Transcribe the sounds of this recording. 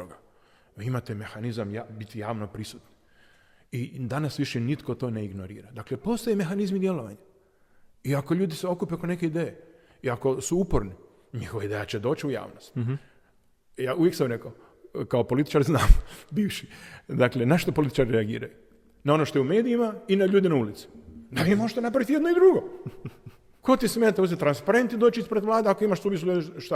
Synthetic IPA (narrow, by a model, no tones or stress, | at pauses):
oɡa | iimat̪eme̞xanizamjabit̪ijaːʋno̞pɾisut̪ni̥ | id̪anasʋiʃenit̪kot̪o̞ne̞iɡnoɾḭːɾad̪akle̞po̞st̪ojeme̞xanizmid̪je̞lo̞ʋa̰ɲa | iako̞ʎuːd̪iseo̞kupeokone̞ke̞id̪eːje | iako̞suupo̞ɾni | ɲixo̞ʋaid̪ejat͡ɕe̞d̪o̞ːt͡ɕiuja̰ːʋnost̪ | jaːujeksamɾekoao | kaopo̞lit̪i̥t͡ʃaɾznaːmbiːʋʃid̪akle̞naʃt̪o̞polit̪i̥t͡ʃaɾiɾeaɡḭːɾa̰ju | nao̞noʃt̪ojume̞ːd̪iimainaʎuːd̪inaulit̪si̥d̪aʋimoʒt̪onap̬ɾaʋit̪ijenoid̪ɾuɡo̞ | ko̞t̪isme̞ːt̪aozet̪ɾanspaɾe̞nt̪id̪oːt͡ʃiispɾe̞d̪ʋlˠaːd̪eako̞imaʃsuʋisuleʃt̪a